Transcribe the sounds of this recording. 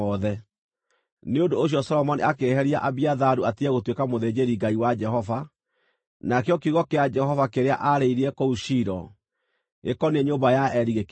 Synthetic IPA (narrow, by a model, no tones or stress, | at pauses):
ɔðɛ | neondoːɕ̬jɔsɔlɔmɔniakeɦɛɾiaʔaβiaðaɾuatiɛɣotwekamoðed͡ʑeɾiɡaiwad͡ʒɛɦɔva | nakeɔkiɣɔkead͡ʒɛhɔvakeɾea̰ʔaɾeiɾiɛkouʃiɾɔ | ɣḛkɔneɲoːmbajaɛɾiɣek